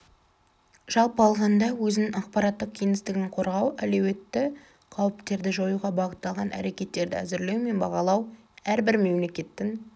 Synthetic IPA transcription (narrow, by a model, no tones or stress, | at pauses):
ʒ̥ɑlˠpəɑlˠʁɑnd̪ɑwɵzɪnɪŋɑq̚pɑɾɑt̪ːəq̚kʲʰejŋɪst̪ɪɡʲɪŋqʰo̞ɾʁɑwæle̞we̞t̪ːɪ | qʰɑwɪpt̪e̞ɾd̪ɪʒo̞juʁɑbɑʁət̪ːɑlˠʁɑnʔæ̰ɾe̞kʲe̞t̪ːe̞ɾd̪ɪ̰æ̰zɪɾle̞wme̞nbɑʁɑlˠɑw | æɾbɪɾme̞mle̞kʲe̞t̪ːɪn